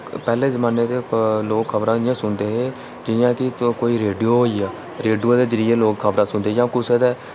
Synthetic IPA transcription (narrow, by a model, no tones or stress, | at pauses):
pɛːlẽːzəmaːneːd̪eːloːkkʰəbɾãːd̪ɪjãːsʊnd̪eːɦeː | d͡ʒɪjãːkɪkoːiːɾeːɖioːɦoːiːaː | ɾeːɖioːd̪eːd͡ʒəɾɪjeːloːkkʰəbɾãːsʊnd̪eːd͡ʒãːkʊseːd̪eː